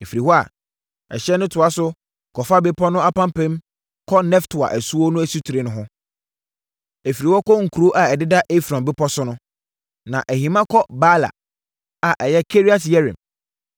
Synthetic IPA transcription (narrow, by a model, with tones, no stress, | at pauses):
e˨fi˨ɾi˨hɔ˦a̰˨ | ɛ̰˨ɕɛ˦nʊ̃˦tʰʊ˨a˦sʊ˦ | kʰɔ˨fa˦be˦pʰɔ˦nʊ̃˦a˦pã˦m˦pɛ̃˦m | kʰɔ˦nɛ˦ftʰʊ˨a̰˨ʔæ˨su˦wo˦nʊ̃˦æ˨su˦tʰu˨ɾe˨nʊ̃˦ɦʊ̃˦ | e˨fi˨ɾi˨wɔ˦kɔ˦ŋ̩˨kʰu˨ɾo˦ʔa˨ɛ˨dɪ˦da˦ʔe˦fɾɔ̃˨mbɪ˦pʰɔ˦sʊ˦nʊ̃˦ | nã˨ʔæ˨ɦĩ˨mã˦kʰɔ˦ba˦la̰˨ | a˨ʔɛ˨jɛ˦kʰe˦ɾi˦a˨tjɛ˦ɾɛ̰̃˨m